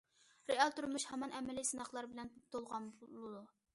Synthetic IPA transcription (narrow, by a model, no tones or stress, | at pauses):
ɾeɑlˠt̪uɾmuʃhɛmɑnʔɛmɛlisɨnɑχlˠɑɾbɪlɛnt̪ʰolˠʁɑnblˠɨd̪u